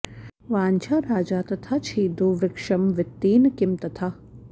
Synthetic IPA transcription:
ʋaːnt͡ʃʰaːɾaːd͡ʒaːt̪ɐt̪ʰat͡ʃʰiːd̪uʋɪkʂɐmʋɪt̪ːiːnkɪmt̪ɐt̪ʰa

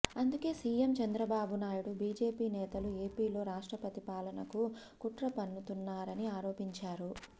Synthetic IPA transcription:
ɐnd̪uke̞ːsiːjemt͡ʃɐnd̪ɾɐbaːbunaːjuɽubiːd͡ʒe̞ːpiːnɛːt̪ɐlue̞ːpiːlo̞ːɾaːʂʈɾɐpɐt̪ipaːlɐnɐku | kuʈɾɐpɐnːut̪unːaːɾɐniaːɾo̞ːpiɲt͡ʃaːɾu

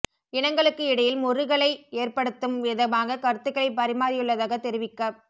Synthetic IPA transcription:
ɪɳɐŋɡɐɭɯkːɯɪɽɐjɪlmʊrɯɣɐɭɐɪeːrpɐɽɯt̪ːɯmʋɪðɐʋaːŋɡɐkɐɾɯt̪ːɯɣɐɭɐɪpːɐɾɪmaːɾɪjɯɭːɐðaːɣɐt̪ːɛɾɪʋɪkːɐ

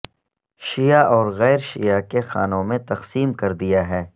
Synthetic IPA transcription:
ʃijaʔɔːɾɣɛːɾʃḭjakexaːnõmẽt̪ɐqsiːmkɐɾd̪ijaɦɛː

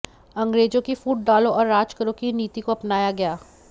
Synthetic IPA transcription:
ɐ̃ŋɡɾeːd͡ʒõkifuːʈ̚ɖaːlõɔːɾːaːd͡ʒkəɾõkiniːt̪ikoɐpnaːjaɡɐjaː

